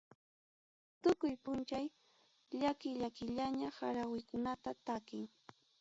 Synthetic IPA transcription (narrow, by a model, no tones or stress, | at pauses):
t̪ʊkʊjpʊnt͡ʃaj | ʎakɪʎakɪʎaɲahaɾawɪjkʊnat̪at̪akɪŋ